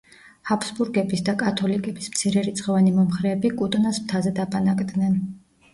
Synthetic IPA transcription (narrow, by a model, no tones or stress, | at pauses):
hapʰsbuɾɡɛbisd̪akʼat̪ʰɔlikʼɛbism̥t̪sʰiɾɛɾit̪sʼqʼɛvanimɔmχɾɛːbikʼut̪ʼnasmt̪ʰazɛd̪apʼanakʼd̪nɛn